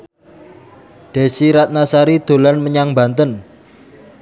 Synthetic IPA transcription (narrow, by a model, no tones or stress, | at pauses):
ɖ̥e̤siɾat̪̚nasaɾid̪̥o̤lanməɲaŋba̤nt̪ən